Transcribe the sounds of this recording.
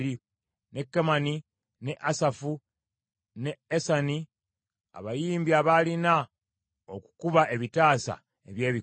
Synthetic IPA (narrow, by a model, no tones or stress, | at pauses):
ɾi | ne̞kːemani | ne̞ʔasafu | neːsani | a̰βajiːmbiaβalina | oku̥kuβaʔe̞βitaːsa̰ | eβje̞ːβi